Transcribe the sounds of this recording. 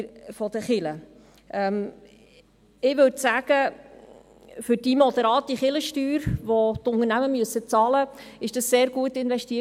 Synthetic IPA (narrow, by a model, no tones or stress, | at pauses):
fɔd̥̪əχɪlə | ʔɛm | ɪʋɵsæːɡ̥ə | fʏɾd̥iːmɔd̥əɾɑːt̚d̥iχɪləʃtyːɾʋotʊnəɾnæməmyəsːət͡sɑːləɪʃd̥ɑsːeːɾɡuətɪnʋɛʃtiː